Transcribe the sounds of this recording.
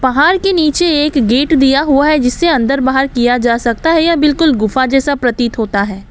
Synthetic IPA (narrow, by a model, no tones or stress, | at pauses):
bɐɦaːɾkeniːt͡ʃeeːkɡeːʈd̪ijaɦuaɦɛd͡ʒɪsːeɐ̃nd̪əɾbaːɦəɾkijad͡ʒaːsɐk̚t̪aɦɛjabɪlkʊlɡʊfad͡ʒɛːsapɾɐt̪it̪ɦoːt̪aɦɛː